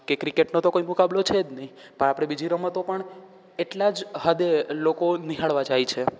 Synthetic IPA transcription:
kekɾikeʈnot̪okoimukablot͡ʃʰed͡ʒ̪nəĩ | pəɳ̃apɽ̃ebid͡ʒʱiɾəmət̪opəɳ | eʈlad͡ʒɦəd̪elokoniɦaɭʋad͡ʒajt͡ʃʰe

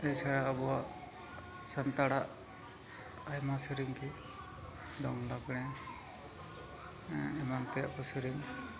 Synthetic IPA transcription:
ɛjt͡ʃʰaɽaəbɔwaʔ | sant̪aɽaʔ | ajmasiɾiŋki | d̪ɔŋlaɡɽ̃ɛ̃ | ɛmant̪ɛa̰kɔsiɾiŋ

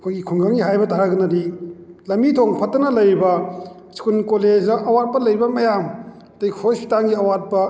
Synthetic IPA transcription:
ɐkʰojɡikʰuŋɡaŋɡiɦajbɐtaɾaɡɐnɐdilɐmbitʰoŋpʰɐtːɐnɐlɐjɾibɐ | si̥kunkoled͡ʒdɐʔɐwat̚pɐlɐjɾibɐmɐjam | tɐjkʰoski̥taŋɡiɐwat̚pɐ

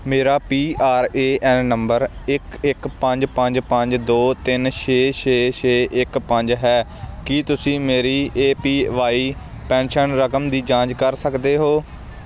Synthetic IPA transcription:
meːɾaːpiːaːɾeːɛnːəmbəɾɪkɪkpə̃ɲd͡ʒpəɲd͡ʒpə̃ɲd͡ʒd̪oːt̪ɪnʃʰeːʃʰeːt͡ʃʰeːʔɪkpə̃ɲd͡ʒɦɛːkit̪ʊsĩːmeːɾiːeːpiːʋaːiː | pɛ̃ːnʃənɾəkəmd̪iːd͡ʒãːɲd͡ʒkəɾsəkd̪eːɦoː

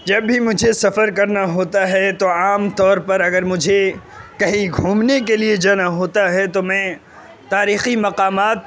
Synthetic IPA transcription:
d͡ʒɐbːʱimʊd͡ʒʱesɐfəɾkɐɾnaɦoːt̪aɦɛt̪oaːmt̪ɔːɾpɐɾɐɡəɾmʊd͡ʒʱe | kɐɦiɡʱuːmnek̬elied͡ʒaːnaɦoːt̪aɦɛt̪omɛ̃ː | t̪aːɾiːximɐqaːmaːt̪̚

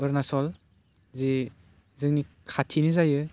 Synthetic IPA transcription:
ɯɾnasɔl | zi | zɯŋni | kʰatʰinizajɯ

